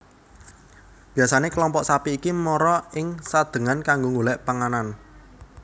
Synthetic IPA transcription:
b̥ijasanekəlɔmpɔʔsapiːkimɔɾɔɪŋsad̪̥ə̤ŋankaŋɡoŋulɛʔpaŋanan

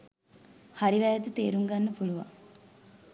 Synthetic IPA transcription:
haɾiʋæjat̪ut̪eːɾuŋɡanːɐpuluʋa̰ŋ

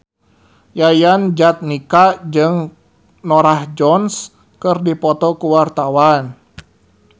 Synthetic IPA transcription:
jajand͡ʒat̪̚nikad͡ʒɨŋ | nɔɾahd͡ʒɔns | kɨrdipɔt̪ɔkuwart̪awan

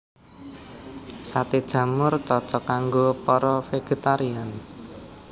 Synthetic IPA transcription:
sat̪id̥ʒ̥ä̤mʊrt͡ʃɔt͡ʃɔkaŋɡopɔɾɔfeɡ̥e̤t̪aɾian

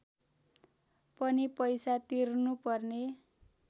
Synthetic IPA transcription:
pʌnipʌjsat̪irnupʌrne

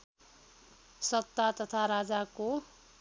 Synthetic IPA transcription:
sʌt̪ːat̪ʌt̪ʰaɾad͡zako

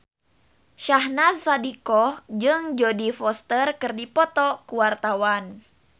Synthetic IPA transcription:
ʃahnasːadikɔhd͡ʒɨŋd͡ʒodifɔst̪ərkɨrdipɔt̪ɔkuwart̪awan

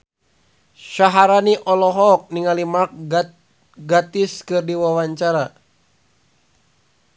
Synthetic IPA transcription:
ʃaɦaɾaniʔɔlɔɦɔk̚niŋalimak̚ | ɡat̪iskɨrdiwawaɲt͡ʃaɾa

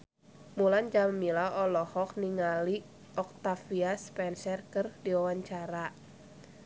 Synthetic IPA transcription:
muland͡ʒammilawʔɔlɔhɔk̚niŋali | ʔɔk̚t̪afiaspɛnsɛrkɨrdiwawaɲt͡ʃaɾa

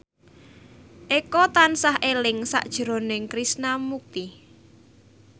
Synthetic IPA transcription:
ʔekɔt̪ansaɦelɪŋsa̰ʔd̥ʒ̥ə̤ɾo̤nɪŋkɾisnamuk̚t̪i

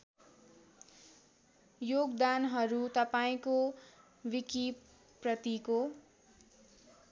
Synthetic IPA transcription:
joɡd̪anɦʌɾut̪ʌpaĩko | wiki | prʌt̪iko

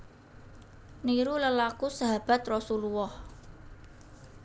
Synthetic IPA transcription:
niɾuləlakusaɦab̥at̪rɔsuluwɔh

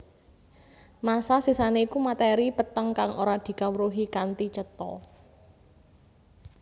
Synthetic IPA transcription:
masasisaneikumat̪eɾipət̪əŋkaŋʔo̰ɾad̪̥i̤kawɾuɦikant̪it͡ʃət̪ɔ̰

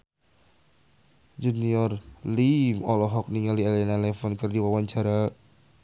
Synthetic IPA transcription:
d͡ʒuniɔrlimɔlɔɦɔk̚niŋaliɛlɛnalɛfɔnkərdiwawaɲt͡ʃaɾa

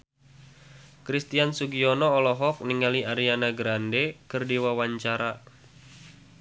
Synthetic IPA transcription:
kɾist̪iansuɡiɔnɔːlɔɦɔk̚niŋaliaɾianaɡɾandekɨrdiwawaɲt͡ʃaɾa

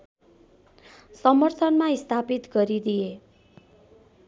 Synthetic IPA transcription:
sʌmʌrt̪ʰʌnmaist̪ʰapit̪ɡʌɾid̪ije

